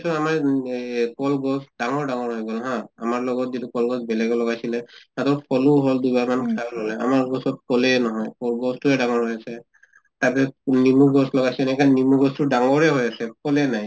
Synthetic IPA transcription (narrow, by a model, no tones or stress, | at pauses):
sɔnamaɹ | kɔlɡɔsdaŋɔɹɖaŋɔɹɦɔjɡɔlɦãamaɹlɔɡɔt̚zitukɔlɡɔsbɛlɛɡɔlɔɡajsilɛnatɔɹpʰɔluɦɔld̪ujbaɹmankʰalɔlɛa̰maɹɡɔsɔt̚kɔlɛnɔɦɔjkɔlɡɔstuɛdaŋɔɹɦɔjasɛ | tapɛnimuɡɔslɔɡajsinajkʰanimuɡɔstuɖaŋɔɹɛɦɔjasɛkɔlɛnaj